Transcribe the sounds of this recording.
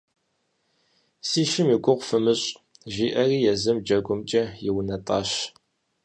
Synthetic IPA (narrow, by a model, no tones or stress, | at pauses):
siːʃɪmiɡʷʊʁʷfɨmɨɕʼ | ʒiːʔɐriːjɛzɨmd͡ʒɐɡʷʊmt͡ʃʼɐjɪwnɐtʼɑːɕ